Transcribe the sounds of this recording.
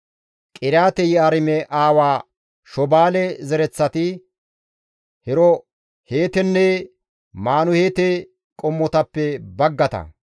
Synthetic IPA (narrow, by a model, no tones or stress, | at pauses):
kʼɪɾjaːt̪ɛjɪaɾɪmɛʔaːwaː | ʃɔbaːlɛzɛɾɛt͡sːɐt̪ɪ | hɛɾɔ | heːt̪ɛnːɛ | maːnʊheːt̪ɛ | kʼɔmːɔt̪ɐpːɛbɐɡːɐt̪ɐ̰